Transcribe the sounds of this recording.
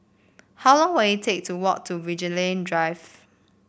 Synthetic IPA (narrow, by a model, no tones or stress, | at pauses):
haʊlɔ̃ŋwejitʰek̚tʰuwɔk̚tʰuvid͡ʒilẽndɹaɪv